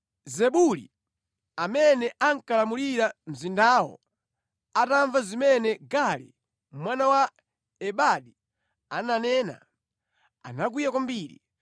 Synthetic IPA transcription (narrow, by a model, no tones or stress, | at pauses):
zɛɓuli | amɛnɛʔaŋkalamuliɾam̩zindaːwɔ̰ | ataɱvazimɛnɛɡalḭ | mwanawa | ɛɓaɗi | ananɛːna̰ | a̰nak̬ujakambiːɾḭ